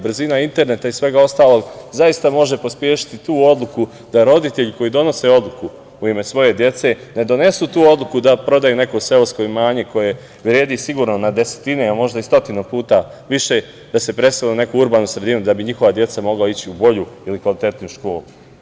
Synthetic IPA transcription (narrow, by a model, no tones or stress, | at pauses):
br̩zinaint̪e̞ɾne̞t̪aisʋe̞ɡao̞st̪aːlo̞ɡzajist̪amo̞ʒe̞pospje̞ːʃi̥t̪it̪uːo̞d̪lˠuku | d̪̥aɾo̞d̪it̪e̞ʎko̞jid̪o̞no̞se̞o̞d̪lˠuku | uime̞sʋo̞je̞d̪je̞t̪se̞ned̪o̞ne̞sut̪uːo̞d̪lˠukud̪apɾo̞d̪ajune̞ko̞se̞osko̞imaːɲe̞ko̞je̞ | ʋɾje̞ːd̪isiɡuːɾno̞nad̪e̞se̥t̪ine̞amo̞ʒd̪aist̪o̞t̪inupuːt̪aʋiʃe̞ | d̪̥ase̞pɾe̞st̪aline̞kuuɾbaːnusɾe̞d̪inud̪abiɲixo̞ʋad̪je̞t̪samo̞ɡlait͡ɕiubo̞ʎuilikʋalit̪e̞t̪nujuʃko̞ːlˠu